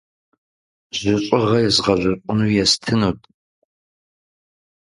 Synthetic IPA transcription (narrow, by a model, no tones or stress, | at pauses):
z̥ɪɕʼɨʁɐjɛzʁɐʑʷʊɕʷʼʊnuːjɛstʰɨnuːtʼʰ